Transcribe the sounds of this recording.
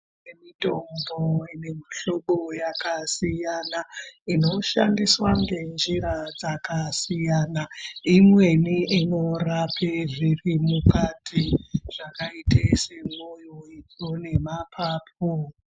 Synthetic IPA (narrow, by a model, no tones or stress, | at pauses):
nemito̞mboinemiɬo̞ɓojakasijanaino̞ʃa̰ndiswaŋɡe̞nd͡ʒiɾad͡zakasijanaimwe̞niinorapʰeʐirimukatʰiʐ̥akaitese̞mojoikone̞mapʰaːp̚ʰo